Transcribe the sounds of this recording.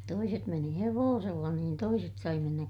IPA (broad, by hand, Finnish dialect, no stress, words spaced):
toiset meni heʋoːselːɑ niːn toiset sɑi menːæ